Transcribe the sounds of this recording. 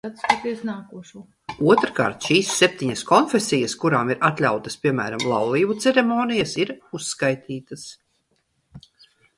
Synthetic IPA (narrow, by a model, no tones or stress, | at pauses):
at̪spat̪iɛsnaːkuɔʃuɔː | uɔt̪ɾka̰ːɾt̪ʃiːsːep̚t̪iɲɐskɔnfʲesijɐskuɾaːmiɾat̪lʲawt̪ɐspʲiɛmæ̰ːɾamlˠawlˠiːbut̪sɛɾemɔːnijasiɾusːkajt̪ʰiːt̪ɐs